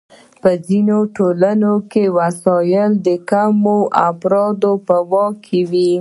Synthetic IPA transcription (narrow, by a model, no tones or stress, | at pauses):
pəzinoʈolanokewasɑjəld̪əkamoʔafɾɑd̪opəwɑkʰːewi